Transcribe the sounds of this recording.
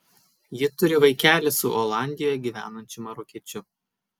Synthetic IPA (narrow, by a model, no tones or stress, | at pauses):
jɪt̪ʊɾʲɪʋɐɪkʲæːlʲɪsʊʔɔlˠɑˑnʲd̪ʲɪjojɛɡʲiːʋʲæ̰ːnɐnʲt͡ʃʲʊmɐɾʊkʲiɛt͡ʃʲʊ